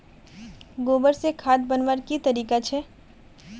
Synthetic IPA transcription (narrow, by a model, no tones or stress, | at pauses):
ɡoːbəɾsekʰaːd̪bənʋəɾkit̪ɐɾiːkat͡ʃʰɛː